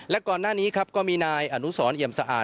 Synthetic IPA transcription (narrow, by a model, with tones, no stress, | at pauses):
lɛ˦˥kɔː˨˩nːaː˥˩niː˦˥kʰa˦˥p̚kɔː˥˩miː˧naː˧jʔa˧˩nu˦˥sɔː˩˦nʔi˨˩əmsa˧ʔa̰ː˨˩